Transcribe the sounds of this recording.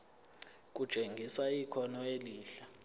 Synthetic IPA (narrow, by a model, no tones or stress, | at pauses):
k̬ʼu̥t͡ʃʼeŋɡʱisaikʰɔnɔeliːɬa